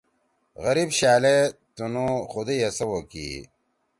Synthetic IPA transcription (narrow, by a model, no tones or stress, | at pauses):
ɣɐɾibɕaːlet̪unuxud̪ejɐsɐwokḭ